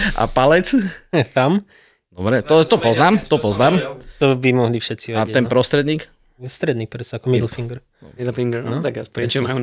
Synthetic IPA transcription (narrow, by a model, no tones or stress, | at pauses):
ʔa̰palɛt͡st̪am | d̪ɔbɾɛt̪ɔt̪ɔpɔznaːmt̪ɔpɔznaːmt̪ɔbimɔɦlifʃɛt͡siʋɛaɛnpɾɔst̪ɾɛd̪ɲiːk | st̪ɾɛd̪niːk̚pɾɛsakɔmid̪l̩fiŋɡɾ | mid̪lfiŋɡɾt̪akaspɾɛt͡ʃɛmaju